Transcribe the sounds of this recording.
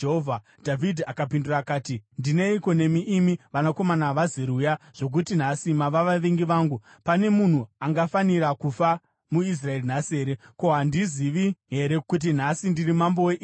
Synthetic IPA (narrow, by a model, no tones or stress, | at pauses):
ɦova | dʱavidʱiakapinduraːkaːtindine̞iko̞ne̞miʔimiʋanako̞manaʋaziɾujaʐ̥o̞k̬utin̤asimaʋaʋaʋeŋɡiʋaːŋɡu | pane̞mun̤uaŋɡafaniɾakufa | muis̬rae̞rinase̞ːɾe̞ko̞ɦandiziʋiɦe̞ɾe̞kut̬in̤asindirimambo̞weʔ